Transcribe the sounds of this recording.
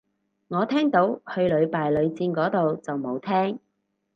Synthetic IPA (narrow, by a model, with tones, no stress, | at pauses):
ŋɔː˨˧t̪ʰɛː˥ŋt̪o˨˧˥whɵ˧ɥlɵ˨˧ɥpaː˨jlɵ˨˧ɥt͡siː˧nkɔː˨˥t̪o˨wt͡sɐ˨wmo˨˧wt̪ʰɛː˥ŋ